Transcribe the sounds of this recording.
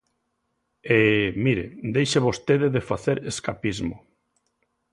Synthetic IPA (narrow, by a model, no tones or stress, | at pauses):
emiɾed̪ejʃeβost̪eðɪðefaθeɾeskapizmo